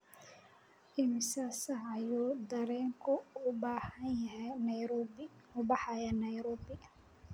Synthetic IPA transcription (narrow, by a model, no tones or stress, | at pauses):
ʔɪmɪsaːsɐɦɐjuːd̪ɐɾɛːŋkʰʊʊbaːhɐnjɐɦɛjnɐjɾɔbɪʊbɑħɑjɐnɐjɾɔːbɪ